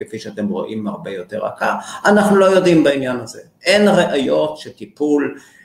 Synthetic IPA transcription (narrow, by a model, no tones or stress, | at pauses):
kefijʃeate̞mʁo̞̰ʔimaʁbe̞jo̞te̞ʁa̰kaanaχnulo̞jo̞dimbainjanaze̞ʔe̞nʁeʔajo̞tʃetipul